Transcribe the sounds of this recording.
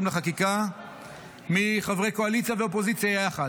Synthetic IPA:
mlaχakika | miχavʁejkoalit͡sjaveopozit͡sjajaχa

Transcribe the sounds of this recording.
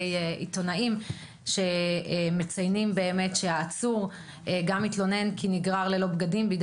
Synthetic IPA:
jḭto̞naim | ʃe̞me̞t͡sajnimbe̞ːme̞tʃeaːt͡suʁ | eɡamit̪lo̞ne̞nkʰiniɡʁaʁle̞lo̞bɡadimbiɡ

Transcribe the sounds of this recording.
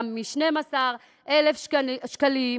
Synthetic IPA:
mːiʃne̞masaʁ | ʔelefʃʃkali

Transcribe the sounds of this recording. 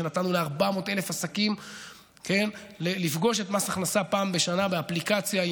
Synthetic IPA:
enat̪anuleaʁbamo̞te̞le̞fasakim | ke̞nlelifɡo̞ʃe̞tmaʃaχnasapaːmbe̞ʃanabeaplikat͡sja

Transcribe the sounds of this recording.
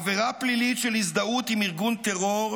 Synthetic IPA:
veʁaplilit̪ʃelis̬d̪aut̪imiʁɡunt̪eʁoʁ

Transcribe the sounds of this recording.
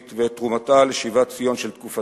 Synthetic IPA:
t̪vetʁumataleʃivat͡sijo̞nʃelt̪kufa

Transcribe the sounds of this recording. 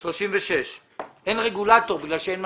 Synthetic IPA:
ʃloʃimveʃeʃ | enʁeɡulat̪o̞ʁbiɡlalʃeenm

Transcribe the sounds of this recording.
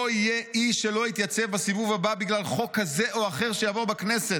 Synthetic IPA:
oijeʔiʃe̞lo̞it̪jat͡sevbasivuvababiɡlalχo̞kːaze̞ʔo̞aχe̞ʁʃejavo̞ʁbaknese̞t

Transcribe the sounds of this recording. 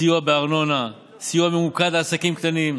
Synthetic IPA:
ijuabeaʁno̞na | sijuamemukad̪laːsakimkt̪anim

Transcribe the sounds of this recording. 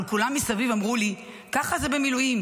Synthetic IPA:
lkulamːisavivamʁuli | kaχazebemilujim

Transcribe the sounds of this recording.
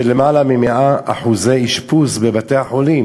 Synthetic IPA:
elemalamimeʔaaħuzeiʃpusbebateaħolim

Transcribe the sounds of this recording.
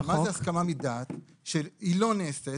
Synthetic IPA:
mazeaskamamid̪at̪ | ʃelilo̞neːst̪e

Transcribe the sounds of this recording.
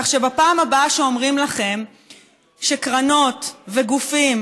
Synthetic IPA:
aχʃebapaːmabaʃeomʁimlaχe̞m | ʃekʁano̞t̪veɡufim

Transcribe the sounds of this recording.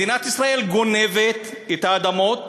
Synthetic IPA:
inat̪isʁae̞lɡo̞nevet̪ | et̪aːd̪amot̪

